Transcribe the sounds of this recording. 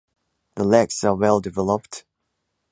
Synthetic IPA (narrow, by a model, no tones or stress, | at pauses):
ðəlɛksəwɛlˠdɪvɛləpt